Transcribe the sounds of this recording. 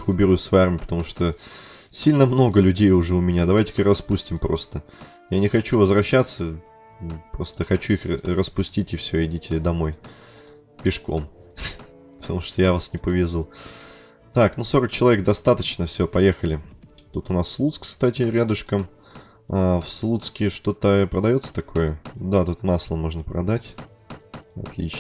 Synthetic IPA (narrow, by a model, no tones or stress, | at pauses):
kʊbʲɪɾusvɐjarmʲɪjəpə̥t̪ɐmuʂt̪osʲilʲnəmno̞ɡəlʲʉdʲejʊʐɛʊmʲɪnʲad̪ɐvajtʲɪ̥kɨɾɐspusʲtʲɪmpɾo̞st̪ə | janʲɪxɐt͡ɕuvəzvɾɐɕːat̪sə | pɾo̞st̪əxɐt͡ɕuixrəspʊsʲtʲitʲɪfsʲvʲɐɪdʲitʲɪd̪ɐmo̞j | pʲɪʂko̞̰m | pə̥t̪ɐmuʂt̪ojavasnʲɪpəvʲɪzu | t̪aknuso̞ɾək̚t͡ɕɪlˠɐvʲek̚d̪ɐst̪at̪ət͡ɕnəfsʲopɐjexəlʲɪt̪ut̪ʊnasːlˠut̪skst̪atʲɪɾʲad̪ʊʂkəm | afslˠut̪skʲɪʂt̪o̞t̪əpɾəd̪ɐjo̞t̪sə̥t̪ɐko̞jəd̪at̪ut̪maslˠəmo̞ʐnəpɾɐ̰d̪atʲ | ɐ̰t̪lʲḭt͡ɕ